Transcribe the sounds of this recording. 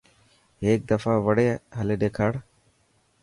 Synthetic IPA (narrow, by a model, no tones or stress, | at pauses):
eːk̚d̪ɐfaːʋɐɽeɦɐleɖekʰaɽ